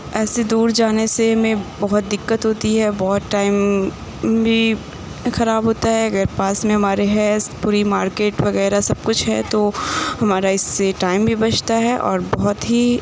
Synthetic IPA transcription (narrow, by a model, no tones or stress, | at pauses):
ɛːsed̪uːɾd͡ʒaːnesemẽbɐɦʊt̪̚d̪ɪkːət̪ɦoːt̪iɦɛbɔɦʊt̪ʈaːɪm | bʱi | xɐɾaːbɦoːt̪aɦɛɐɡəɾpaːsmẽɦɐmaːɾeɦɛspuːɾimaːɾkeːʈʋɐɣɛːɾasɐb̚kʊt͡ʃʰɦɛ̰t̪ohɐmaːɾaɪsːeʈaːɪmbʱibɐt͡ʃʰt̪aɦɛʔɔ̰ːɾbɔɦʊt̪ɦi